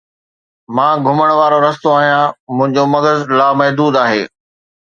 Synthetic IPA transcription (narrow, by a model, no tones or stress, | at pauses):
mãːɡʱʊməɽ̃ʋaːɾoɾɐst̪oaːɦijãmʊ̃ɦɪ̃ɲd͡ʑomɐɡəzlaːmɐɦd̪uːd̪aːɦeː